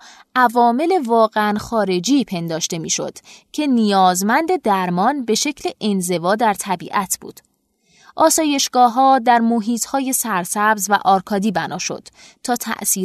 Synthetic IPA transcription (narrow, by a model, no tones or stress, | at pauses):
ʔævɒːme̞le̞vɒːɣeænxɒːɾe̞d͡ʒiːpʰe̞nd̪ɒːʃt̪e̞miːʃo̞̰d̪̥cʰe̞nijɒːzmænd̪e̞d̪æɾmɒːnbe̞ʃe̞cʰleʔenze̞vɒːd̪æɾt̪ʰæbḭːʔæt̪ʰb̥ṵːd̪̥ | ʔɒːsɒːje̞ʃɡ̥ɒːɦɒːd̪æɾmoɦiːt̪ʰhɒːje̞sæɾsæbzvæ̰ʔɒːɾkʰɒːd̪iːbænʔɒːʃo̞̰d̪̥ | t̪ʰːɒːt̪ʰæ̰ʔsiː